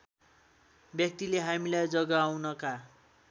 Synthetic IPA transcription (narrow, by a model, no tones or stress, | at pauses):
bjʌk̚t̪ileɦamilajd͡zʌɡaːwnʌka